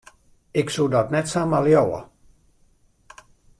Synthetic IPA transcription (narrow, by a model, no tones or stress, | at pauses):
ɪksudɔtnɛtsamaljowə̰